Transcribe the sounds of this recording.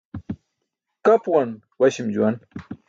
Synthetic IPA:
kapwan | wɐɕimd͡ʑuwan

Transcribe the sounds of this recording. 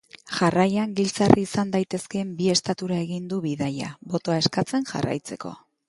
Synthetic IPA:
ʝarajaŋɡilt͡sarʔiːsand̪ajt̪e̞ske̞mbie̞st̪at̪uɾae̞ɣind̪uβiðaja̰bo̞t̪o̞ae̞skat͡se̞nʝa̰ra̰jt͡se̞ko̞̰

